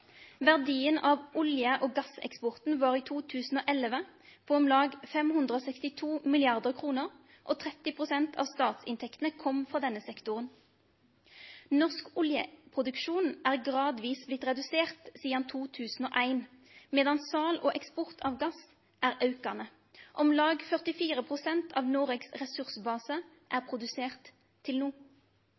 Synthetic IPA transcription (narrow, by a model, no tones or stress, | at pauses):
ʋæʁd̪iːənɑːʋʊljəʔoːɡɑsɛ̰kspɔʁt̪n̩ʋɑːʁiːt̪ʰuːt̪ʰʉːsn̩oːʔɛlʋəpʰoːɔmlɑːɡfɛmhʉnd̪ʁəoːsɛkst̪ɪt̪ʰuːmɪlɪɑʁd̪əʁkʰʁuːnəʁ | ʔoːt̪ʰʁɛt̪ɪpʰʁʊsɛnt̪ʰɑ̰ːʋst̪ɑːt̪sɪ̰nt̪ʰɛkt̪n̩əkʰɔmfʁɑːd̪ɛnːəsɛkt̪ʊʁən | nɔʁskʊljə̰pʰʁʊd̪ʉkʃuːnʔæːʁɡʁɑːd̪ʋiːsblɪt̪ʁɛd̪ʉseːʁt̪siːɑnt̪ʰuːt̪ʰʉːsn̩o̰ːʔæɪn | meːd̪ɑnsɑːloːʔɛkspɔʁt̪ʰɑːʋɡɑs | ʔæːʁɑʉkɑnə | ʔɔmlɑːɡfœʁt̪ɪfiːʁəpʰʁʊsɛnt̪ʰɑ̰ːʋnoːʁɛɡsʁɛsʉʁsəbɑːsə | ʔæːʁpʰʁʊd̪ʉseːʁt̪ʰː | ɪlnuː